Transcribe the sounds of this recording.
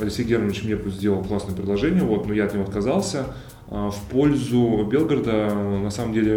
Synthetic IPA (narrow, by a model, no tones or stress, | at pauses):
ɐlʲɪksʲejɡʲeɾənʲɪt͡ɕmnʲepuzʲdʲelˠəlˠklˠasnəjəpɾʲɪd̪lˠɐʐɛnʲɪjəvo̞t̪nujaɐt̪nʲɪvoɐt̪kɐzɑlˠsʲə | fpo̞lʲzʊbʲe̞lˠɡəɾəd̪ənɐsaməmdʲelʲɪ